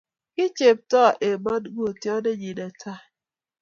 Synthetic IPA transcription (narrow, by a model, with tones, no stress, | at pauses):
kɪ˦t͡ʃe˨p̚tɔ˦˨ʔe˨ma˦dɡo˦˨tjɔ˦ne˦d͡ʒi˨da˨tʰa˦